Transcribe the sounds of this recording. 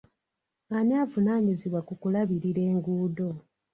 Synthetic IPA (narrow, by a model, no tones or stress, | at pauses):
aɲaːvunaːɲiziβwakukulaβiɾiɾe̞ːŋɡuːdo̞